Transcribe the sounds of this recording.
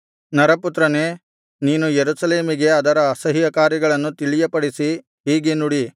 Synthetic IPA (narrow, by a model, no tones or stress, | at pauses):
nɐɾɐput̪ɾɐneː | niːnujeɾusɐle̞ːmiɡe̞ɐd̪ɐɾɐːsɐɦijɐkaːɾjɐɡɐɭɐnːut̪iɭijɐpɐɽisi | ɦiːɡenuɽi